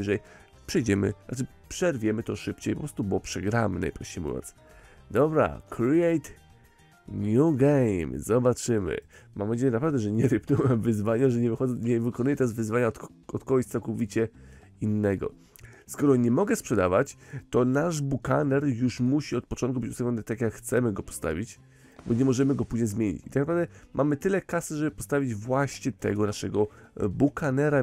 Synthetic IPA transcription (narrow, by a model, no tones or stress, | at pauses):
ʐɛj | pʂɛjd͡ʑɛmɘ̰nat͡ʂɘ | pʂɛɾvʲjɛmɘt̪ɔʂɘpt͡ɕejpɔpɾɔst̪ubɔpʂɛɡɾamɘ̰na̰jpɾɔfɕt͡ɕejmṵvʲjɔ̰nt̪s | d̪ɔbɾa̰kɾiɛjt̪ | ɲʲuɡɛjmzɔbat͡ʂɘmɘ̰mamɛd͡ʑeɲɛnapɾavd̪ɛʐɛɲɛɾɘpnuwɛmvɘzvaɲaʐɛɲɛvɨxɔɲɛvɘkɔnujɛt̪ɛazvɘzvaɲa | ɔt̪kɔɡɔɕt̪sawkɔvʲit͡ɕɛ | inːɛɡɔ̰ | skɔɾɔɲɛmɔɡɛspʂɛd̪avat͡ɕt̪ɔnaʐbukanɛɾjuʂmuɕiɔt̪̚pɔt͡ʂɔnt̪kubɘt͡ɕusavʲɲʲɔnɘt̪akʲjakxt̪sɛmɘɡɔpɔ̥st̪a̰vʲit͡ɕ | bɔɲɛmɔʐɛmɘɡɔpuʑɲɛzmʲjeɲḭt͡ɕit̪aknapɾavd̪ɛmʔamɘt̪ɘlɛkasɛʐɛbɘpɔst̪avʲid͡ʑvwaɕɲɛt̪ɛ̰ɡɔnaʂɛɡɔbukanɛɾa